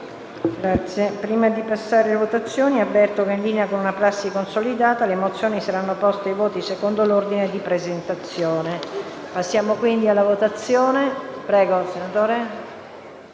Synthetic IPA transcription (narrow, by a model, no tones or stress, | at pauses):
ɡɾat̪sːjepɾiːmad̪ipasːaːɾelevot̪at̪sːjoːniabːɛrt̪okeinliːneakonunapɾasːikonsolid̪aːt̪alemot̪sːjoːnisaɾanːopɔst̪eajvoːt̪isekond̪olord̪ined̪ipɾezent̪at̪sːjoːne | pasːjaːmokwind̪ialːavot̪at̪sːjoːnepɾɛːɡosenat̪oːɾe